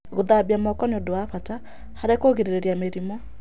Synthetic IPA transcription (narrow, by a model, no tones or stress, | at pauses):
ɣoðabiamɔkɔneodoafata | haɾekoɣeɾeɾeɾiameɾimɔ